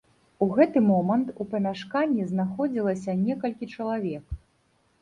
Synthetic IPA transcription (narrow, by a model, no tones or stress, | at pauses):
uɣɛt̪ɨmɔmɐnt̪upɐmʲaʂkanʲːiznaxɔd͡zʲilˠɐsʲɐnʲɛkɐlʲkʲit͡ʂɐlˠavʲɛk